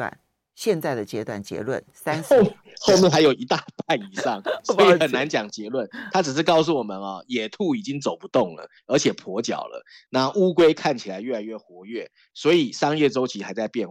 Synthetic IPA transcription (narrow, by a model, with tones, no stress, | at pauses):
n | ɕjɛ˥˧nt͡sa˥˩ɪd̪ə˩t͡ɕjɛ˦t̪wa̰˥˩nt͡ɕjɛ̰˧˥lwə̰˥˩nsa˥n | xo˥˧ʊmjɛ˥˨nxa˧ɪjo˨˩ʊi˧˥t̪a˥˧p̪a˥˩i˨˩ʂɑ˥˩ŋsɔ˦˥ii˧xə˨˩nːa˧˦nt͡ɕjɑ˨˩ŋt͡ɕjɛ˧˥lwə˥˩nt̪ʰa˦t͡s̩˨˩ʂ̬̩˥˧kɑ˥˧ʊs̬u˥˩wɔ˨˩mə˨˦nɔ̰˨jɛ˨˩t̪ʰu˥˩i˨˩t͡ɕi˦˥ŋt͡so˨˩ʊpu˧˦t̪o˥˩ŋlə̰˩ | ə˞˧˥t͡ɕʰjɛ˨˩pʰɔ˧˥t͡ɕjɑ̰˨˩ʊlə̰˦ | na˥˩ʔu˥kwe˥ɪkʰa˥˩nt͡ɕʰi˨˩la˨˦ɪɥɛ˥˩la˧ɪɥɛ˥˩xwɔ˧˥ɥɛ˥˨˩ | swɔ˧˥i˨˩ʂɑ˥ŋjɛ˥˩t͡so˥ʊt͡ɕʰi˧˥xa˧˥ɪt͡sa˥˧ɪpjɛ˥˨˩n